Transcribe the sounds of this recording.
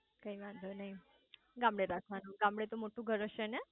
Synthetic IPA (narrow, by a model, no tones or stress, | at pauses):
kaiʋãnd̪ʱənaɦi | ɡãmbɽeɾakʰʋanuɡãmbɽet̪omoʈũɡʱəɾəɕəne